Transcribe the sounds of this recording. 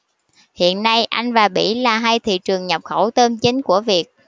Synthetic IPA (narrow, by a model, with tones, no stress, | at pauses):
hḭ˧˨ənːa˧jʔa˧jŋ̟vaː˨˩ɓḭ˧˩laː˨˩ɦa˧jt̪ʰḭ˧˨t͡ɕɨ˨˩əŋɲə˨˩p̚xə˧˩wt̪əː˧mt͡ɕï˨˦ŋ̟ku˧˩əvi˨˩ək̚